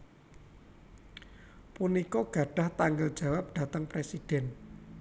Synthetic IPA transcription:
punikɔɡ̥a̤ɖ̥a̤ht̪aŋɡəld͡ʒ̥ä̤wap̚ɖ̥a̤t̪əŋpɾesid̥ɛ̤n

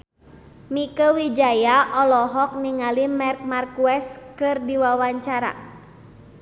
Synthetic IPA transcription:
mikəwid͡ʒajaʔɔlɔɦɔk̚niŋalimɛrk̚markuɛskɨrdiwawaɲt͡ʃaɾa̰

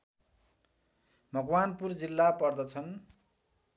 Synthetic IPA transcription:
bʱʌɡwanpurd͡zilːapʌrd̪ʌt͡sʰʌn

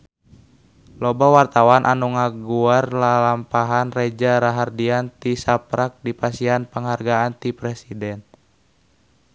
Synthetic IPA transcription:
lɔbawart̪awanʔanuŋaɡuarlalampaɦanrɛd͡ʒaɾaɦardiant̪isapɾak̚dipasianpəŋɦarɡaant̪ipɾɛsidɛn

